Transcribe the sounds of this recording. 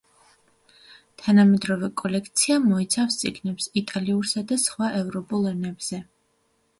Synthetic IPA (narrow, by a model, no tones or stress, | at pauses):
t̪ʰanamɛd̪ɾɔvɛkʼɔlɛkʰt̪sʰiamɔit̪sʰafst̪sʼiɡnɛpsit̪ʼaliuɾsad̪asχwaʔɛvɾɔpʼulˠɛnɛbz̥ɛ